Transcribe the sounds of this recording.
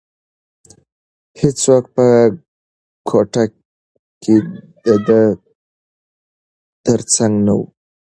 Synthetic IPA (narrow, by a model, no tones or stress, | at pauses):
het͡swaxt̪̚pə | kʰoʈa | ked̪əd̪ə | t̪əɾt͡saŋɡnawṵ